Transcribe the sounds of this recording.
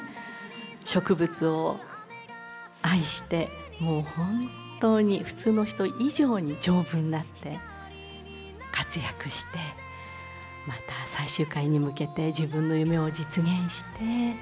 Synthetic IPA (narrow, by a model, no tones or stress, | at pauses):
ɕo̞kɯ̟bɯ̟t͡sɨo̞ | aiɕi̥t̪e̞ | mo̞ːhõ̞ntt̪o̞ːɲ̟iɸɯ̟̥t͡sɨːno̞çi̥t̪o̞ʔiʑo̞ːɲ̟id͡ʑo̞ːbɯ̟̃nd̪at̪ːe̞ | kat͡sɨjakɯ̟ɕi̥t̪e̞ | mat̪asaiɕɨːkaiɲ̟imɯ̟ke̞t̪e̞d͡ʑibɯ̟̃nːo̞jɯ̟me̞o̞d͡ʑit͡sɨɡẽ̞ɰ̃ɕi̥t̪e̞